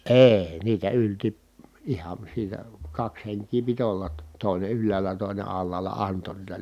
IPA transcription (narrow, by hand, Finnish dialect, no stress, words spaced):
eː niːtæ ylti ihɑn̞ siːtæ kɑks heŋkiː pit olːɑt tŏ toˑine ylːæːlæ toˑine ɑlːɑːlɑ ɑnto niːtæ